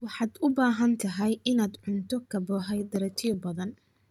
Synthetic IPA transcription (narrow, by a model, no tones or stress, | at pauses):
wɑħɑːd̪ʊbaːɦɐnt̪ʰɐɦɛjɪnaːd̪ʕʊnt̪ʰɔkʰɐbɔħɛjd̪ɐɾɐt̪ʰɪɔbɐðɐn